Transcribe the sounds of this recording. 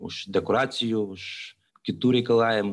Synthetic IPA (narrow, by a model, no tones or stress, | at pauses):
ṵʃd̪ɛkoɾat̪sijuʃ | kʲit̪uɾikɐlˠaɛm